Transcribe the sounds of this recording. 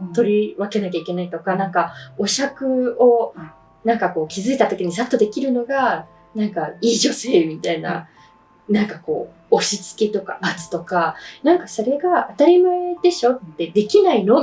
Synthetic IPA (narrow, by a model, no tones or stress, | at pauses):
t̪o̞ɾʲiβake̞nak̬ʲaikʲe̞nait̪o̞kanãŋkao̞ɕakɯ̟o̞ | nãŋkako̞ːkʲizɨit̪at̪o̞kʲiɲ̟isat̪ːo̞d̪e̞kʲiɾɯ̟no̞ɡa | nãŋkaiːd͡ʑo̞se̞ːmʲit̪aina̰ | nãŋkako̞̰ː | ɕit͡sɨ̥kʲit̪o̞ka̰at͡sɨ̥t̪o̞kanãŋkaso̞ɾe̞ɡaat̪aɾʲimaed̪e̞ɕo̞t̪ːe̞d̪e̞kʲinaino̞